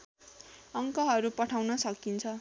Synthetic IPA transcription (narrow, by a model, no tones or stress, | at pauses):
ʌŋkʌɦʌɾupʌʈʰawnʌsʌkint͡sʰʌ